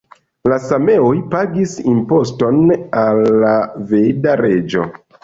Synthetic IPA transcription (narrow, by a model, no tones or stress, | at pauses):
lasame̞ojpaɡisimpo̞sto̞nalːave̞daɾe̞d͡ʒo̞̰